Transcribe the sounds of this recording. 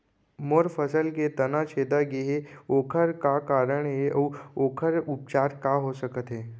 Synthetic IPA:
moːɾfʰəsəlket̪ɐnat͡ʃʰeːd̪aɡiɦeoːkʰəɾkakaːɾəɽ̃ɦeɔːoːkʰəɾʊp̚t͡ʃaːɾkaɦosəkət̪ɦeː

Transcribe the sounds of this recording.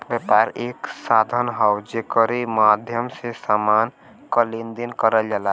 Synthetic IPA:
bjəpaɾeksad̪ʱənɦəwd͡ʒekəɾemad̪ʱjəmsesaman | kəlind̪inkəɾəld͡ʒala

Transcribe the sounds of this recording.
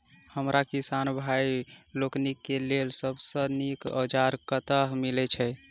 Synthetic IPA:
həmɾʔakisanbʱajloknikːelelsəbsənikə̰d͡ʒaɾkət̪əɦmilɛt͡ʃʰɛ

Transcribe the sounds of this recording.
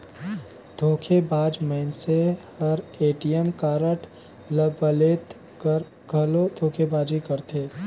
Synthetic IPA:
d̪ʱoːkʰebaːd͡ʒməɪnsehɐɾeːʈijəmkaːɾəʈ | ləbəleːt̪ | kəɾ | ɡʱɐlod̪ʱoːkʰebaːd͡ʒikəɾt̪ʰeː

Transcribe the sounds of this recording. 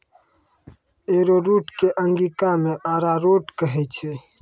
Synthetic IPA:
eːɾoːɾuːʈkeʔəŋɡiːkamẽʔaːɾaɾoːʈkəɦet͡ʃʰe

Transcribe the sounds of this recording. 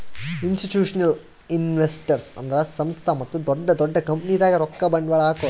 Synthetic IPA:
insʈiʈjuːʂɐnɐl | inʋesʈɐɾsɐ̰nd̪ɐɾɐsɐmst̪ʰɐmɐt̪ːud̪ɔɖːɐd̪ɔɖːɐkɐmpnid̪aːɡɐɾɔkːɐbɐɳɖʋɐɭaːkoː

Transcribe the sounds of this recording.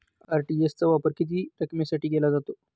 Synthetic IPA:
aɾʈiest͡səʋapəɾkit̪̬iːɾəkmasaʈiːɡelad͡zat̪o

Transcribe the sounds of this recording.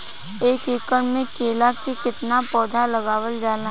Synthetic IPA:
eːkeːkəɳmẽkeːlakkikɪt̪napɔːd̪ʱaləɡaːʋəld͡ʒaːnaɦ

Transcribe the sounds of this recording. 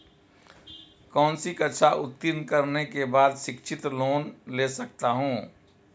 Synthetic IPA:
kɔ̃ːnsikətːʃʰaʔʊt̪ːɪnkəɾnekebaːd̪ʃɪkʃʰɪt̪loːnlesək̚t̪aɦũː

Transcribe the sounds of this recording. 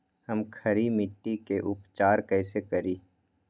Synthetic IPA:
hɐmkʰɐɾimɪʈːikeʔʊpt͡ʃaːɾkɛːsekɐɾiː

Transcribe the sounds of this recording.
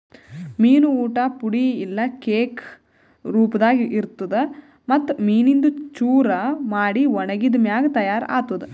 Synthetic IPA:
miːnuuːʈaːpuɽiːlːɐkeːk | ɾuːpɐd̪aːɡiʔiɾt̪ːud̪e | mɐt̪ːumiːnind̪ut͡ʃuːɾɐmaːɽiɔɳɐɡid̪ɐmjaːɡɐt̪ɐjaːɾa̰ːt̪ud̪e

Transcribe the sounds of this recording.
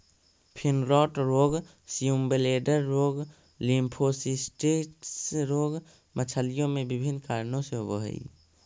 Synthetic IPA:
pʰɪnɾɔːʈɾoːɡ | sijumbeleːɖəɾːoːɡ | limpʰosisʈeːʈsɾoːɡ | mət͡ʃʰəlijõmẽbɪbʱɪnːkaːɾnõseɦobo̰ɦə̰ḭ

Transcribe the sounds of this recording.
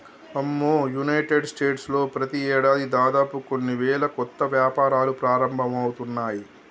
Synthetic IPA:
ɐmːoːjunɐjʈeɖsʈe̞ːʈslo̞ːpɾɐt̪iɛːɽaːd̪id̪aːd̪aːpukonːiʋɛːlɐkɔt̪ːɐʋjaːpaːɾaːlupɾaːɾɐmbʱɐmɐwut̪unːaːji

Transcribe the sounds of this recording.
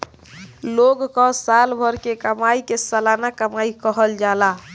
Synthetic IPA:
loɡkɔsalbʱəɾkekəmaikesalanakəmaikəɦəld͡ʒala

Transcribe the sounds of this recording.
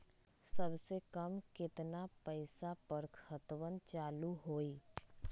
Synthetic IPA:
sɐbsekəmkɪt̪napəɪsapəɾkʰət̪wənt͡ʃaːluɦoːiː

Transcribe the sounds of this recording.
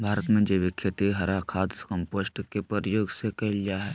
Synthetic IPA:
bʱaːɾət̪mẽd͡ʒeːʋɪkʰjət̪iɦɐɾakʰaːd̪skɐ̃mposʈkepəɾjoːɡsekɐlijaɦɛː

